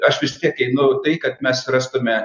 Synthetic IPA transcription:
ɐʃʋʲɪst̪ʲiɛkɛɪnɐʊt̪ɐɪkɐt̪̚mʲɛsrɑːst̪omʲɛ

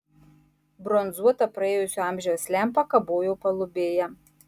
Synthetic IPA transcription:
bɾɔnzuɔt̪ɐpɾɐeːjʊsʲʊɑˑmʲʒʲɛwsʲlʲæˑmpɐkɐboːjɛʊpɐlˠʊbʲeːjɛ

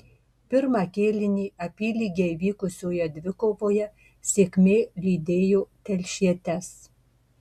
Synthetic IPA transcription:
pʲɪɾmɑːkʲeːlʲɪnʲiːɐpʲiːlʲiːɡʲɛɪʋʲiːkʊsʲoːjɛd̪ʲʋʲɪkoːʋoːjɛ | sʲeːkʲmʲeːlʲiːd̪ʲeːjoːt̪ʲɛlʲʃʲiɛt̪ʲɛs

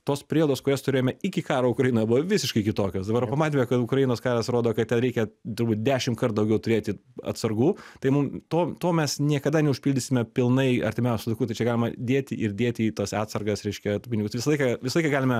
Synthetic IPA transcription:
t̪oːspʲɾʲiːjd̪oːskʊɾʲost̪ʊɾʲeːjomɛɪkʲɪkɑːɾoːʊkɾɐjinojbʊʋoʋʲɪsʲɪʃkɐɪkʲɪt̪oːkʲoːsd̪ɐbɐɾpɐmɑːt̪ʲemʲɛkɐt̪ʊkɾɐjinoːskɑːɾɐsɾoːd̪oːkɐtt̪ʲɛnɾʲɛɪkʲɛt̪ʊɾbuːt̪̚ʲdʲæːʃʲɪmkɐrt̪d̪ɐʊɡʲɛʊt̪ʊɾʲeːt̪ʲɪɐ̰t̪sɐrɡuːt̪ɐɪmʊmt̪oːt̪oːmʲɛsnʲiɛkɐd̪ɐnʲɛʊʃʲpʲilʲdʲɪsʲɪmʲɛpʲɪlˠnɐɪɐɾʲt̪ʲɪmʲɛʊsʲʊlˠɐɪkuːt̪ɐɪt͡ʃʲɛɡɑːlʲɪmɐd̪ʲeːt̪ʲɪʔɪrd̪ʲeːt̪ʲiːt̪ɐsɑːt̪sɐrɡɐsɾʲɛɪʃʲkʲɛtːpʲɪnʲɪɡʊsʋʲɪsɐlˠɐɪkɐʋʲɪsɐlˠɐɪkɐɡɑːlʲɪmɛ

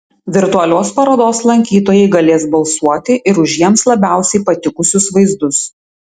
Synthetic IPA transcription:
ʋʲɪɾt̪ʊɐlʲoːspɐɾoːd̪oːslˠɐŋʲkʲiːt̪oːjɛɪɡɐlʲeːsbɐlˠsuɔt̪ʲɪʔɪɾʊʒʲjiɛmslˠɐbʲæˑʊsʲɛɪpɐt̪ʲɪkʊsʲʊsʋɐɪzd̪ʊs

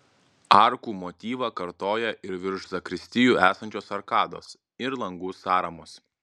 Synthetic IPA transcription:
ɑˑɾkuːmot̪ʲiːʋɐkɐɾt̪oːjɛʔɪɾʋʲɪɾʒzɐkɾʲɪsʲt̪ʲɪjuːæːsɐnʲt͡ʃʲoːsɐɾkɑːd̪o̰ːs | ɪɾlˠɐŋɡʊsɑːɾɐmos

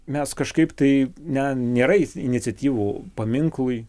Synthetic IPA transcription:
mʲɛskɐʃkɐɪpt̪ɐɪnʲɛnʲeːɾɐɪɪnʲɪtt͡sʲsʲɛt̪ʲiːʋuːpɐmʲɪŋklˠʊɪ

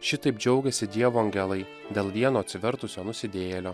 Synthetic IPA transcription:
ʃʲɪt̪ɐɪp̚d͡ʒʲɛʊɡʲɛsʲɪd̪ʲiɛʋoːɐŋʲɡʲɛlˠɐɪ | d̪ʲeːlˠʋʲiɛnoːt̪sʲʋʲɛɾt̪ʊsʲoːnʊsʲɪd̪ʲeːjɛlʲoː

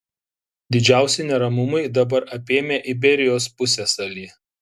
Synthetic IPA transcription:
d̪ʲɪd͡ʒʲæˑʊsʲɛnʲɛɾɐmʊmɐɪd̪ɐbɐɾʔɐpʲeːmʲeːʔɪbʲɛɾʲɪjoːspʊsʲeːsɐlʲiː

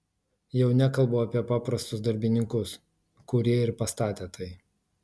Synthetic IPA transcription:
jɛʊnʲɛkɐlˠboːɐpʲiɛpɑːpɾɐst̪ʊsd̪ɐɾʲbʲɪnʲɪŋkʊs | kʊɾʲiɛɪɾpɐst̪ɑːt̪ʲeːt̪ɐɪ

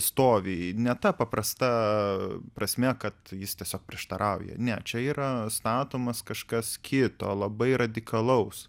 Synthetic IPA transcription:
st̪oːʋʲɪnʲɛt̪ɐpɐprɐst̪ɐ | pɾɐsʲmʲɛkɐt̪jɪst̪ʲiɛsʲoːk̚pʲɾʲɪɛʃt̪ɐɾʔɐʊjɛ̰nʲɛt͡ʃʲɛiːɾɐst̪ɑːt̪oːmɐskɐʃkɐskʲʰɪt̪o̰ːlˠɐbɐɪrɐd̪ʲɪkɐlˠɐʊs

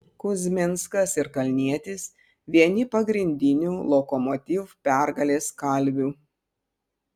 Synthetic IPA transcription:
kʊzʲmʲɪnskɐsɪɾkɐlʲnʲiɛt̪ʲɪs | ʋʲiɛnʲɪpɐɡɾʲɪnʲd̪ʲɪnʲuːlˠɔkɔmɔt̪ʲiːʋupʲɛˑɾɡɐlʲeːskɐˑlʲˑʋʲuː

